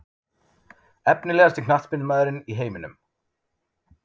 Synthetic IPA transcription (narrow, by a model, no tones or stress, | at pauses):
ɛpnɪlɛːɣast̪ɪkʰnaht̪spɪnmaːðʏɾɪniɦeːjmɪnʏ̰m